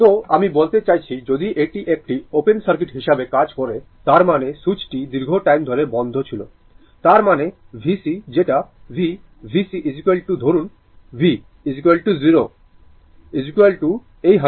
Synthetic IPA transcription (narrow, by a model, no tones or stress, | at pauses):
t̪oamibolt̪et͡ɕajt͡ɕʰid͡ʑod̪iʔeʈiʔek̚ʈiopensɐɾkiʈɦiʃabekad͡ʑkoɾe | t̪aɾmanesut͡ɕʈid̪iɾɡʱoʈajmd̪ʱɔɾebɔnd̪ʱot͡ɕʰilo̰ | t̪aɾmane | bʱisid͡ʑeʈabʱi | bʱisiʔid͡ʑikelʈud̪ʱoɾun | bʱi | id͡ʑikuelʈuziɾo | id͡ʑikuelʈu | ejɦa